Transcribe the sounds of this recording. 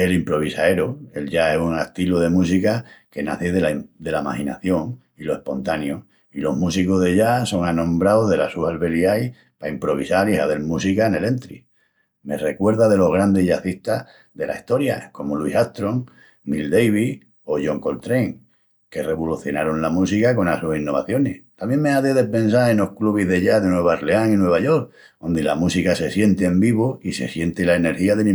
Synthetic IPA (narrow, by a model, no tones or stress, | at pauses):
elimpɾo̞β̞isae̞ɾoe̞lʎaesuŋeht̪iloð̞e̞mus̬ikake̞naθeðeld̪e̞lama̰hina̰θjo̞ŋ | iloe̞hpo̞nt̪anjo | ilo̞ɦmusiko̞ɦðe̞ʝaso̞ŋanõ̞mbɾaoðe̞lasuhalβe̞liaj | paimpɾo̞β̞isalihaβe̞lmusikaene̞le̞nt̪ɾi | me̞̰re̞kwe̞ɾðaðe̞lo̞ɦɣ̞ɾand̪e̞ʝaθist̪a | ðe̞la̰iht̪o̞ɾja̰ko̞moluisat̪ɾo̞ŋ | nild̪e̞jβ̞i | o̞ʝoŋko̞lt̪ɾe̞ŋ | ke̞re̞βoluθjo̞̰naɾonlamus̬ikako̞nasusinːo̞βa̰θjo̞neht̪amjẽ̞ŋmeaðeðe̞pe̞nsae̞no̞hkluβiɦðe̞ʝaðenwe̞βaɾleaŋinwe̞β̞aʝo̞ɾk | ond̪ila̰musikase̞sje̞nt̪eembiβoise̞̰sje̞nt̪elaene̞ɾxiaðemĩ